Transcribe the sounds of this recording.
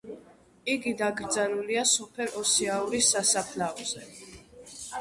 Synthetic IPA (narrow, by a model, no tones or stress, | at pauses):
iɡid̪aɡɾd̪zanuliasɔpʰɛɾɔsiauɾisːasapʰlavz̥ɛ